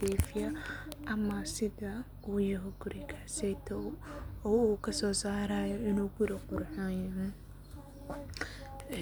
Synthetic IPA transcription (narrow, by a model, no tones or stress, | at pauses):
iːfɪjɐʔɐmɐsɪðɐ | ʔuːjɐɦɔɡʊɾɪkʰḁsɛjt̪ʰɔɔːuːkʰɐsɔːsaːɾaːjɔɪnuːɡʊɾɐqʊɾħaːjɐmɐ